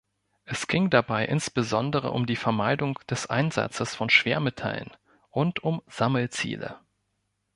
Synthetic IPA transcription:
ʔɛsɡ̥ɪŋdabaɪʔɪnsb̥əzɔndəʁ̞ə̰ʔʊmdiːfɛɐmaɪdʊŋd̥ɛsʔa̰ɪnza̰t͡səsfɔnʃv̥eːɐmetʰa̰lə̰n | ʔʊntʊmz̥aml̩t͡sḭːlə̰

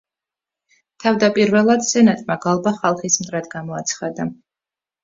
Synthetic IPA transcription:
t̪ʰavd̪apʼiɾvɛlˠad̪sɛnat̪ʼmaɡalˠbaχalˠχismt̪ʼɾad̪ɡamɔat̪sʰχad̪a

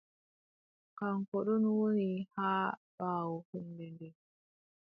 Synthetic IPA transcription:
kaŋkɔɗɔnwonihaːɓaːwɔhunːdɛndɛ

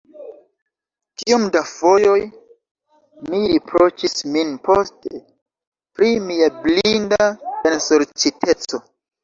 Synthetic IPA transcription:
kiumdavo̞jo̞j | miɾipɾot͡ʃisminposte | pɾimiablindabensolt͡ʃitʰe̞t͡so̞

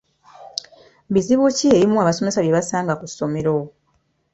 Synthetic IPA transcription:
biziβucieɾimuaβaso̞me̞saβjeβasaːŋɡakuso̞me̞ɾo

